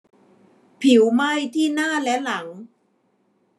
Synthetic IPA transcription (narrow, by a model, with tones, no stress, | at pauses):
pʰi˨˩˦wma˥˩jt̪ʰiː˥˩naː˥˩lɛ˦˥la˩˦ŋ